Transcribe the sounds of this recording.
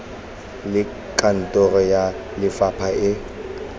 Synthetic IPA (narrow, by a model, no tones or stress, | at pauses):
lɪ | kʼan̩tʼɔrɔja | lɪfapʰaɪ